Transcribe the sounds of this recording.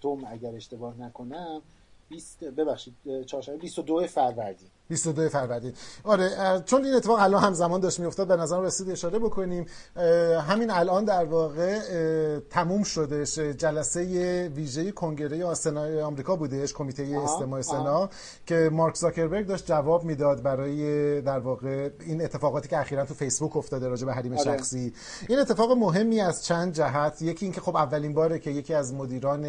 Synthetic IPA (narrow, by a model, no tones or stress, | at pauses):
t̪ʰomæɟæɾeʃt̪e̞bɒːhnækʰonæm | bisbebæχʃid̪̚t͡ʃʰɒːɾʃæmbebist̪od̪oefæɾvæɾd̪iː | bist̪od̪ojefæɾvæɾd̪iːnɒːɾet͡ʃʰo̞niːnet̪ʰːefːɣælɒnhæmzæmɒːnd̪ɒʃt̪mijo̞ft̪ɒːd̪benæzæɾæmɾesiːd̪eʃɒːɾe̞bo̞kʰo̞niːm | ɦæminælʔɒːnd̪æɾvɒːɣe̞ | t̪ʰæmuːmʃo̞d̪eʃd͡ʒælæse̞jeviːʒejekʰo̞ŋɟe̞ɾe̞jesenɒeɒːmɾiːkʰɒːbuːd̪e̞ʃkʰo̞miːt̪ʰe̞jeːst̪emɒːese̞nɒː | cʰe̞mɒːɾkzɒce̞ɾbeɾɡ̚d̪ɒːʃt̪̚d͡ʒævɒːbmiːd̪ɒd̪̚bæɾɒːjed̪æɾvɒːɣe̞iːnet̪ʰːe̞fɒːɣɒːt̪ʰiːcʰeæxiːɾænt̪ʰufe̞jsbuko̞ft̪ɒːd̪eɾɒːd͡ʒe̞beɦæɾiːmeʃæxsiː | ʔiːne̞t̪ʰːefɒːɣemo̞ɦe̞mːiːæzt͡ʃʰænd̪̚d͡ʒæɦæt̪ʰjecʰiiːncʰe̞xo̞bævːæliːnbɒːɾecʰe̞je̞cʰiːæzmod̪iːɾɒːne